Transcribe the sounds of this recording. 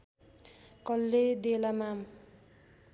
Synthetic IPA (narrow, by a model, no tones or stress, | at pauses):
kʌlːed̪elamam